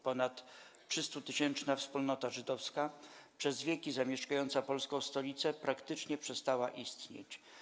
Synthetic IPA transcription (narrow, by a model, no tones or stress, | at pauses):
pɔnat̪ | ʂɘst̪ut̪ɘɕɛnt͡ʂnafspulnɔt̪aʐɘd̪ɔfskapʂɛzvʲjɛkʲizamʲjɛʂkajɔnt̪sapɔlskɔ̃w̃st̪ɔlʲit̪sɛpɾakt̪ɘt͡ʂɲɛpʂɛst̪awaʔist̪ɲḛt͡ɕ